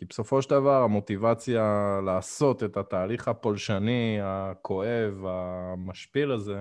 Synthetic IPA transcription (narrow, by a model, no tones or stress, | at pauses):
kibeso̞fo̞ʃeld̪avaʁamo̞t̪ivat͡sjalaːso̞t̪e̞t̪at̪aːliχapolʃaniakʰo̞e̞vamaʃpilaze̞